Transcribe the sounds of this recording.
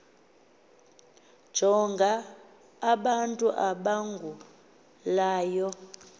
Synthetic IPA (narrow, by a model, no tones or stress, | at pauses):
d̥ʒ̥ʱɔŋɡʱaː | ɓantʼuʔaɓaŋɡʱu | laːjɔ